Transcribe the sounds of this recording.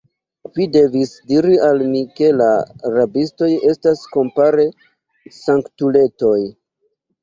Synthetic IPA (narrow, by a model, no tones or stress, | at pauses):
vide̞visdiɾialmike̞laɾabisto̞je̞stasko̞mpaɾe̞ | saŋktule̞to̞j